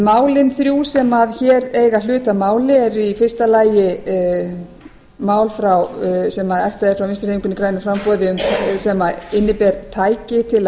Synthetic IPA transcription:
maːwlɪnθɾjuːsɛmaðçɛːɾeːjɣalʏːt̪amaːwlɪɛɾifɪr̥st̪alaːjɪ | maːwlfɾawsɛmaðɛft̪aɛɾ̥fɾawvɪnst̪ɾeːmiŋkʏnikɾaːjnʏfɾampɔːðɪʏmsɛmaɪnːɪpɛːɾt̪ʰaːjcɪt̪ʰɪl

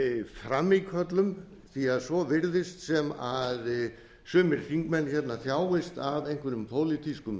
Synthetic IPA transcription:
fɾamːikfœt̪lʏm | θiaðsɔvɪɾðɪst̪sɛmað | sʏːmɪɾ̥θiŋkmɛnçɛt̪naθjaːwɪst̪avejŋkvɪɾʏmpʰoːwlɪt̪ʰiskʏm

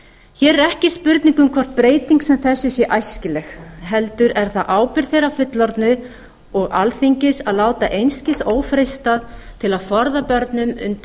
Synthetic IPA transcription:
çɛːɾɛɾɛhcɪspʏɾt̪niŋkʏmkʰvɔr̥t̪̚pɾeːjt̪niŋksɛmθɛsːɪsjɛʔajscɪlɛxɦɛlt̪ʏɾɛɾ̥θaʔaːwpɪɾ̥θejɾawfʏt̪laɾt̪nʏ | ɔɣa̰lθiɲcɪsaðlaːwt̪aʔejnscɪsoːwfɾejst̪aðt̪ʰɪlaðfɔɾðapœɾt̪nʏmʏ̰nt̪

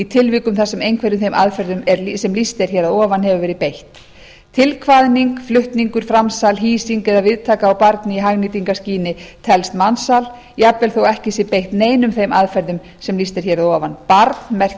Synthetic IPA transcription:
it̪ʰɪlvɪːkʏmθasɛmejnkʰɛɾɪmθejmʔaðfɛɾðʏmɛɾsɛmlist̪ɛɾ̥çɛːɾaðɔːvanhɛvʏvɛːɾɪpejht̪ | t̪ʰɪlkʰvaðniŋkflʏht̪niŋkʏɾ̥fɾamsalɦiːsiŋkɛðavɪðt̪ʰaːkaːwpaɾt̪nɪiɦaɣnit̪iŋkasciːnɪt̪ʰɛlst̪mansal | iapvɛlθowɛhcɪsɛpejht̪neːjnʏmθejmaðfɛɾðʏm | sɛmlist̪ɛɾ̥çɛɾaðɔvanpaɾt̪mɛr̥

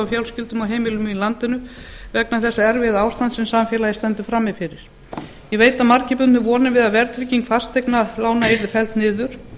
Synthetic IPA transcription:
awfjawlscɪlt̪ʏmawɦejmɪlʏmilant̪ɪnʏvɛknaθɛsːaɛɾvɪðaːwst̪ant̪sɛmsamfjɛlajɪst̪ɛnt̪ʏfɾamːɪfɪɾɪɾ̥ | jɛveːjt̪aðmaɾcɪpʏnnʏvɔːnɪvɪðavɛɾt̪ʰɾiciŋkfast̪ʰːejknalaːwnaeɾðɪfɛl̥t̪nɪːðʏɾ̥

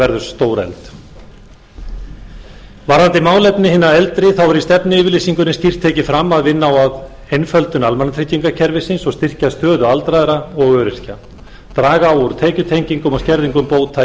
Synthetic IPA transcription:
ɛɾðʏ̥st̪oːwɾɛ̰lt̪ | vaɾant̪ɪmaːwlɛpnɪhɪːnːaɛlt̪ɾɪθawɛɾist̪ɛpnɪɪːvɪɾlisiŋkʏɾnɪnscir̥t̪ʰːɛːcɪfɾamːaðvɪnːaawað | hejnfœlt̪ʏnalmanat̪ʰɾɪcːiŋkacʰɛɾvɪsɪnsɔst̪ɪr̥cast̪œːðʏalt̪ɾajðɾaɔɣœːɾɪr̥ca | t̪ɾaːɣaːwuɾt̪ʰeːcʏt̪ʰejɲciŋkʏmɔscɛɾðiŋkʏmpoːwt̪ʰːa

